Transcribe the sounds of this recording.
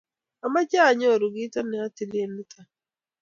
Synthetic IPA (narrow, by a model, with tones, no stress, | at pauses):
a˨ma˦t͡ʃa˦˨ɲɔ˦˨ɾu˨ɡi˦ta˦nɛ˨a˦ti˨li˦e˦ni˦tʰa˨